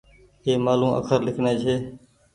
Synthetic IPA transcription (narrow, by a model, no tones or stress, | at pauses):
eːmaːlũːʔə̰kʰəɾlɪkʰneːt͡ʃʰeː